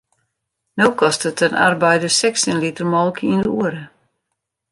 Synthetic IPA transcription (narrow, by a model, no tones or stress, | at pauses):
nowkɔstətənʔa̰rbɛjdəsɛksənlitərmɔlˠkəindəuəɾə